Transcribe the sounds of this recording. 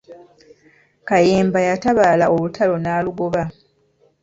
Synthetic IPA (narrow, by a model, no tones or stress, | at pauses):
kajeːmbajataβalaʔoβutʰalo̞naːluɡoβa